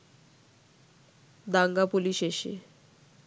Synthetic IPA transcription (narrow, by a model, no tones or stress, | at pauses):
d̪aŋɡapuliʃeʃḛ